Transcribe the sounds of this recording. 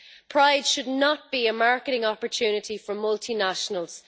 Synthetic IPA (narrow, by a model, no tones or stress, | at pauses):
pʰɹ̥aɪd̥ʃʊdⁿnət̚b̥iəmaɹkəɾɪ̃ŋɔpəɹtʰʉːnɪɾifə˞mʌlˠtʰinaʃənəlˠz̥